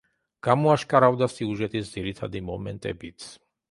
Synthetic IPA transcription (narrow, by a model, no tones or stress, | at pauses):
ɡ̥amɔaʃkʼaɾavd̪asiuʒɛt̪ʰʼisd̪ziɾit̪ʰad̪imɔmɛ̰nt̪ʼɛ̰bit̪sʰ